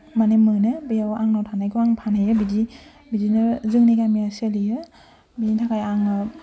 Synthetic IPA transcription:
manemɯnɯbɯjawaŋnɔtʰanajɡɔaŋpʰanajɯbidi | bidinɯzɯŋniɡamiaselijɯ | biditʰakʰajaŋɯ

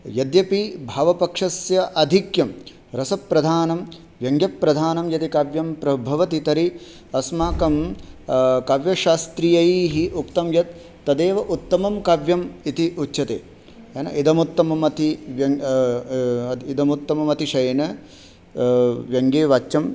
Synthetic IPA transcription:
jɐd̪jɐpibʱaːʋɐpɐkʂɐsjɐʔɐd̪ʱikjɐm | ɾɐsɐpɾɐd̪ʱaːnɐm | ʋjɐŋɡjɐpːɾɐd̪ʱaːnɐmjɐt̪ikaːʋjɐmpɾɐbʱɐʋɐt̪it̪ɐɾi | ɐsmaːkɐm | kɐʋjɐʃaːst̪ɾijɐjiːɦiʔukt̪ɐmjɐt̪̚ː | ɐd̪eːʋɐʔut̪ːɐmɐmkaʋjɐmit̪iʔutːʃʰɐt̪ḛː | ɐnɐ̰ʔid̪ɐmut̪ːɐmɐmɐt̪iʋjɐ | id̪ɐmut̪ːɐmɐmɐt̪iʃɐjnɐ | ʋjɐŋɡeːʋat͡ʃt͡ʃɐm

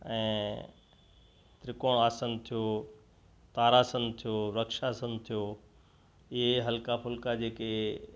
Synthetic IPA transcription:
ɛ̃ː | t̪ɾɪkoaːsənt̪ʰijoː | t̪aːɾaːsənt̪ʰijoɾɐkʃasənt̪ʰijoː | ɪɦeɦɐlkapʰʊlkad͡ʑeːke

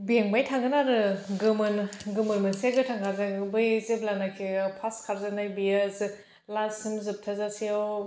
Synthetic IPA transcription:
bieŋbajtʰaŋɡɯnaɾɯɡɯmɯnɡɯmɯnmɯnseɡɯtʰaŋkʰaɾzaɡɯbɯjziblanakʰepʰaskʰaɾzanajbijaz | lazsimzɯp̚tʰazasijaw

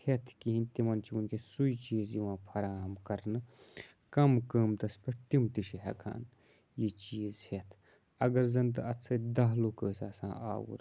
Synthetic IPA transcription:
het̪ʰkiɦĩnt̪imɐnt͡ʃʰiunkesuit͡ʃiːzjiʋãːpʰɐɾaːmkɐɾnɨ | kɐmkɐmt̪ɐspɐʈ̚t̪imt̪iʃiɦɐ̰kʰa̰ːn | jit͡ʃiːzhet̪ʰ | ɐɡɐɾzɐnt̪ɨɐt̪t͡sʰɐd̪ɐɦlukəːsaːsã̰ːʔa̰ːwṵɾ

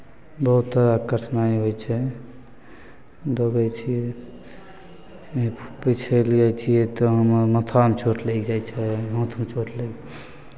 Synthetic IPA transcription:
bəɦut̪ːəɾakəʈʰnaiɦojt͡ʃʰɛ | d̪oɡɛt͡ʃʰi | pit͡ʃʰeliat͡ʃʰijɛt̪ɔɦəmɾmət̪ʰamt͡ʃʰoʈʰlekd͡ʒajt͡ʃʰɛõt̪ʰmt͡ʃʰoʈʰleɡ

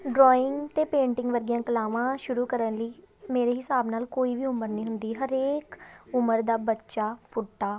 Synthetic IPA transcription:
ɖɾɔːɪŋɡt̪eːpẽːɳʈɪŋɡʋəɾɡijãːkəlaːʋãːʃʊɾuːkəɾənləiː | meːɾeːɦɪsaːbnaːlkoːiːʋiːʊməɾniːɦʊnd̪iːɦəɾeːkʊməɾd̪aːbətːʃaːpʊʈːaː

